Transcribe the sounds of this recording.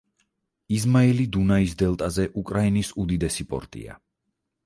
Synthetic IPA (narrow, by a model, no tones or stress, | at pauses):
izmailid̪unaisd̪ɛlˠt̪ʼazɛʔukʼɾainisud̪id̪ɛsipʼɔ̰ɾt̪ʼḭa̰